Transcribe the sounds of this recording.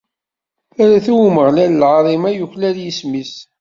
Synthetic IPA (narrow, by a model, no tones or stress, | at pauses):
θæɾæθuwməʁlæləlʕɾˤimæjuçlæðjismis